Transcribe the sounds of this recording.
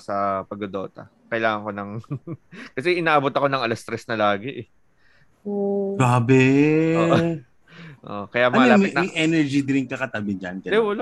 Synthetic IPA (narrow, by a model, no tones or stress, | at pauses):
sɐpɐɡod̪o̞ːt̪ɐ̰ | kɐʔɪlaːŋɐŋko̞nɐŋ | kɐsɛʔɪnaːʔɐbot̪ɐko̞nɐŋɐlɐst̪ɾɛsnɐlaːɡɪʔɛ | oɡaːbɛoːʔ | ʔo̰ʔkɐjaʔmɐnɐŋɐlamɐmɐʔɛnɛɹd͡ʒid̪ɪɾɪŋkɐkɐt̪abɪd͡ʒɐnt̪ɛɛwɐl